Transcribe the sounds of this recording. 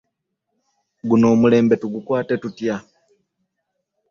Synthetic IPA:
ɡuno̞ːmule̞ːmbe̞tuɡukwaːte̞tutja

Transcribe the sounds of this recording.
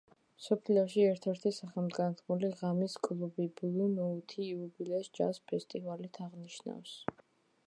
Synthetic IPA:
msɔpʰliɔʃiɛɾt̪ʰɛɾt̪ʰisaχɛlmd̪ɡant̪ʰmuliʁamiskʼlˠubiblunɔut̪ʰiːubilɛsd͡ʒa̰spʰɛst̪ʼivalit̪ʰaʁniʃna̰fs

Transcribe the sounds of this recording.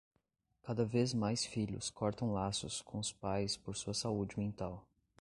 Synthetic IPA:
kad̪ɐvezmajsfiʎʊ̰skʰɔɾt̪ɐ̃w̃lasʊskʰõʊspajspoɾsuɐsaud͡ʒɪmẽnt̪aw

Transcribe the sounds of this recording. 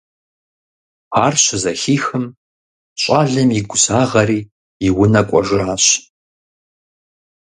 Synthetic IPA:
aːrɕɪzɐxiːxɨm | ɕʼaːɮɨmjiɡʷʊsaːʁɐɾiː | ɪwʊnɐkʷʼɔʒɪaːɕ

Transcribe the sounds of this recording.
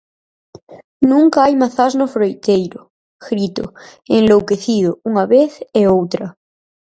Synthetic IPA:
nũŋkaajmaθaznofɾojt̪ejɾo | xɾit̪o̰eŋlowkeθiðouŋaβeθeowt̪ɾɐ

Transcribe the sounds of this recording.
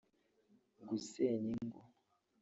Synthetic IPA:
ɡuseɲiŋɡo

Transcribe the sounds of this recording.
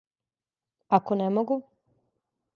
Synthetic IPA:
akonemoɡu

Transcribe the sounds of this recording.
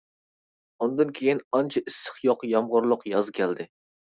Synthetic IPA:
und̪ɨnkʲʰejinɑnt͡ʃʰɛʔisːɨ̥χjoqjɑmʁʊɾlˠəqjɑzkʲʰɛld̪ɪ

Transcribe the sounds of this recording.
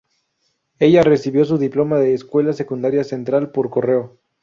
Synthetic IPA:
e̞ʝare̞siβjo̞s̬uðiplo̞maðe̞ːskwe̞lase̞kund̪aɾjase̞nt̪ɾalpo̞ɾko̞re̞o

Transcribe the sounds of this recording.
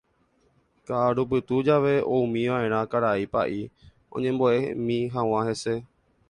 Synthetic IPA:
kaːɾup̬ɨt̪ud͡ʒaʋe̞oũmĩʋãʔẽ̞ɾ̃ãkaɾaipa̰ʔi | õ̰ɲẽ̞mboḛmĩɦãw̃ãɦese̞

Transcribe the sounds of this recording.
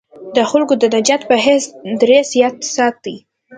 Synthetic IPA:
d̪əxalkod̪ənad͡ʒat̪pəɦesd̪ɾezjɑt̪sɑt̪i

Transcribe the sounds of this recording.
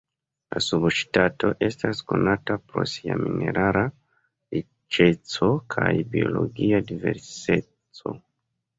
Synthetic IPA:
lasubʃtato̞ʔe̞stasko̞natapɾo̞̰sia̰mineɾʔaɾa | ɾi | t͡ʃet͡sokʰajbioloɡiadivḛɾse | t͡so

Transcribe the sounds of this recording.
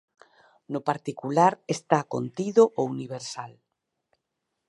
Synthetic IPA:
nʊpaɾt̪ikulaɾest̪ako̰nt̪iðoʔouniβ̞eɾsal

